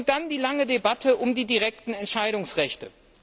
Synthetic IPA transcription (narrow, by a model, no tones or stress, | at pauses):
d̥andiːlaŋədebatʰəʔʊmdiːdiʁɛk̚tn̩ɛntʃaɪɾʊŋsʁɛçtə